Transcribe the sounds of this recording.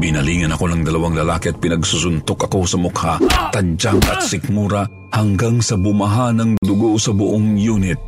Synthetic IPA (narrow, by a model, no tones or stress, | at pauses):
binɐliːŋɐnɐko̞nɐŋd̪ɐlɐwaŋlɐlaːkiʔɐt̪̚pɪnɐɡsusʊnt̪okɐko̞sɐmʊkhat̪ɐd͡ʒakɐt̪̚sɪk̚muɾɐ | hɐŋɡaŋsɐbʊmɐɦanɐŋd̪ʊɡosɐbʊʔoŋjuːnɪt̪̚